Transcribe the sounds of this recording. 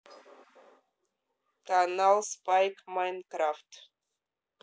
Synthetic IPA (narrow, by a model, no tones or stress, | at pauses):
tanalˠspajkmajnkɾaft